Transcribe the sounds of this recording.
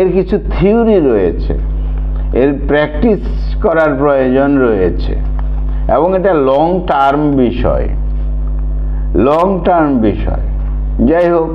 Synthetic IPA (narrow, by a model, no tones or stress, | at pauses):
eɾkit͡ɕʰut̪ʰiuɾiɾojet͡ɕʰḛ | eɾpɾɛk̚ʈis | kɔɾaɾpɾojod͡ʑonɾojet͡ɕʰḛ | eboŋeʈalɔŋʈaɾmbiʃɔ̰e | lɔŋʈaɾmbiʃɔ̰e | d͡ʑajɦok